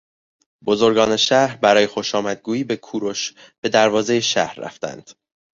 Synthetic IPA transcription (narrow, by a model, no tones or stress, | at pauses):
b̥o̞zo̞ɾɡɒːne̞ʃæɾbæɾɒːje̞xo̞ʃɒːmæd̪̚ɡuːjiːbe̞kʰuːɾoʃ | b̥e̞d̪æɾvɒːze̞jeʃæ̰hɾːæ̰ft̪æ̰nd̪̥